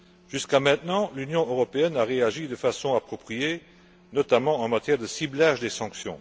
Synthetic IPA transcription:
ʒ̥yskamɛ̃t̪nɑ̃lynjɔ̃øʁɔpeɛnaʁeaʒid̪əfasɔ̃apχɔpχije | nɔt̪amɑ̃ɑ̃mat̪jɛʁd̪əsiblaːʒd̪esɑ̃ksjɔ̰̃

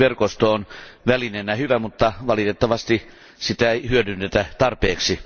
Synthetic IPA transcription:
ʋerkost̪oːnʋælinenːæhyʋæmut̪ːɑʋɑlit̪et̪ːɑʋɑst̪i | sit̪æeihyødynːet̪æt̪ɑrpeːksi

